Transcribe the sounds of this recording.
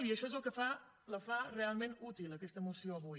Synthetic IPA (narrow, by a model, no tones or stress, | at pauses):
liəʃɔezəlˠkəfa | ləfarealˠmẽnut̪iləkɛst̪əmusioəβuj